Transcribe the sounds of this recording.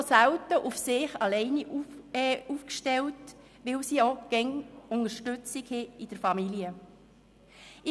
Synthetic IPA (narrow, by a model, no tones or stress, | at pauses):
sæwtəʔufsɪχɑlɛɪniʔɛuːfkʃtɛlt | ʋɪlsiːɔɡ̥ɛŋʊnəʃtʏt͡sɪkhɪɪd̥əɾfɑmiljə | ɪ